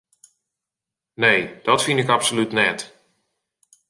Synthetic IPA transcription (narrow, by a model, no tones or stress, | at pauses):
nejd̥ɔtfinɪkapsolytnɛt